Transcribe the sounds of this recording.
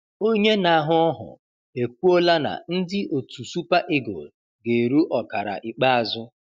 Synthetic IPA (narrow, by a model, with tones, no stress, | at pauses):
o˦ɲe˦na˨ɦʊ˦ɔ˦ɦʊ̰˨ | e˨kʷu˦o˦la˦na̰˨n̩˦dɪ˦ʔo˨tu˨su˦pa˦ʔɪ˦ɡo̰˨ | ɡe˨ɾu˦ʔɔ˨ka˨ɾa̰˨ʔɪ˨k͡pa˦a˨zʊ˦